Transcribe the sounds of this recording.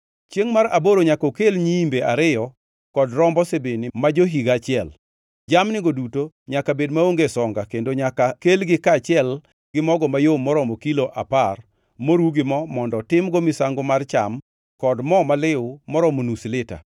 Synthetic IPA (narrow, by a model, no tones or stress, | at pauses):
t͡ʃeŋmaɾaboɾoɲakokelɲiimbeʔaɾɪjɔ | kɔdɾɔmbɔsebenimad͡ʒoɦiɡat͡ʃɪɛl | d͡ʒamnɪɡoduto | ɲakabedmaoŋɡesɔŋɡakendoɲakakelɡɪkat͡ʃɪɛl | ɡɪmɔɡɔmajomɔɾɔmɔkiloʔapar | moɾuɡɪmɔmɔndɔtɪmɡɔmɪsaŋɡomart͡ʃa̰m | kɔdmɔmalɪʊmɔɾɔmonuslɪta̰